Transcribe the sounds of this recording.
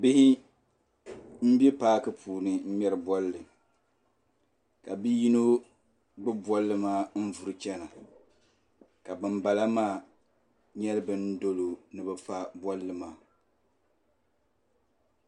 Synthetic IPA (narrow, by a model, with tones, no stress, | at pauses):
bɪ˦hɪ˦ | m̩˦bi˦paː˦kɨ˦pʰuː˨nɨ˨m̩˦mɛ˦ɾɨ˨bwɔ˦lːɨ˨ | ka˨bi˦ji˦no˦ | bɨ˦bɔ˦lːɨ˦maː˦n̩˦vu˨ɾɨ˨˦t͡ʃɛ˦na˨ | ka˨bɨ˨mba˨la˦maː˦ | ɲɛ˦lɨ˦bɨ˦n̩˦do˦lo˨nɨ˨bɨ˦fa˦bwɔ˦lːɨ˦maː˨